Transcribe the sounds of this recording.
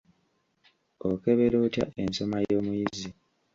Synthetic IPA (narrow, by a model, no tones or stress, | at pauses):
oke̞βeɾoːtja̰ʔenso̞majo̞ːmujizi